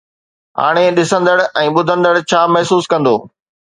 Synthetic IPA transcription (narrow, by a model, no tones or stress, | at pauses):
ɦa̰ːɽ̃eɗɪsə̃nd̪əɽɛ̃ːɓʊd̪ʱə̃nd̪əɽt͡ɕʰaːmɐɦsuːskɐ̃nd̪oː